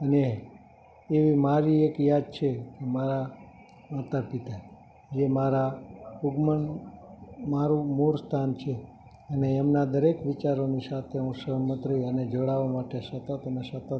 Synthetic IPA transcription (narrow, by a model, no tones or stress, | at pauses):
əneː | ʋimaɾiekjad̪̚t͡ʃʰekemaɾa | mat̪apit̪a | d͡ʒemaɾauɡmən | maɾũmuɾst̪ʰant͡ʃʰe | əneːmnad̪əɾekʋit͡ʃaɾonisat̪ʰeɦũsəɦmət̪ɾiəned͡ʒoɽaʋamaʈesət̪ət̪ənesət̪ə